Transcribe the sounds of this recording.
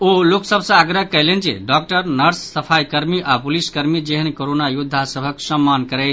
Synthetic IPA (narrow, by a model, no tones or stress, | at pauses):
oloksəbʱsə̃əɡɾəɦkɛlend͡ʒḛɖɔk̚ʈəɾnəɾsːəpʰajkəɾmiʔapuliskəɾmid͡ʒeɦənkoɾonajud̪ʱːasəbʱəksəmːankəɾɛ